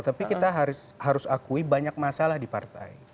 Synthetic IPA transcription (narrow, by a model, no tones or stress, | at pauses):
t̪apikit̪aɦaɾʊs | haɾʊsakuibaɲak̚masalahdipa̰rt̪a̰i